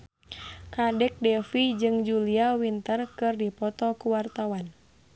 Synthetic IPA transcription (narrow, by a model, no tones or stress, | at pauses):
kadɛk̚dɛfid͡ʒɨŋd͡ʒuliawint̪ərkɨrdipɔt̪ɔkuwart̪awan